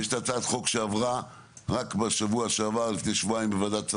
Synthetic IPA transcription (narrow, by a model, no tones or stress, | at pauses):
jeʃtat͡saːdχo̞kʃeavʁa | ʁakbeʃavuaʃeavalifnejʃvuaimbevadat͡s